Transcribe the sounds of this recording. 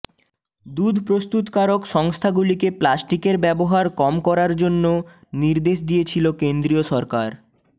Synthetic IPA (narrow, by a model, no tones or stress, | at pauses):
d̪ud̪ʱpɾost̪ut̪kaɾokʃɔŋst̪ʰaɡulikeplasʈikeɾbɛboɦaɾkɔmkɔɾaɾd͡ʑonːo | niɾd̪eʃd̪iet͡ɕʰilokend̪ɾioʃɔɾkaɾ